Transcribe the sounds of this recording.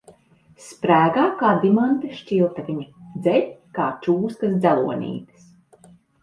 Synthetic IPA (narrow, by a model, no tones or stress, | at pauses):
spɾæːɡaːkaːd̪imant̪eʃt͡ʃilˠt̪avʲiɲad̪zɛlʲkaːt͡ʃuːskɐsd̪zælˠuɔnʲḭːt̪ɨ̥s